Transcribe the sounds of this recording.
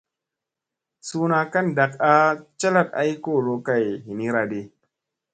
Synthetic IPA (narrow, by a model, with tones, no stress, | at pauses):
suː˦na˨ka˦nda˨ka˦t͡ʃa˦la˦˨t̚ʔa̰˦jko˦˨lo˦ka˦˨jhi˨ni˦ɾa˨de˨˦